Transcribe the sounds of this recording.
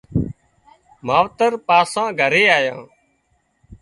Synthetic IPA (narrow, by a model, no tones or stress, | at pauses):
maːʋt̪əɾpaːsãːɡʱəɾeːaːjã̰ː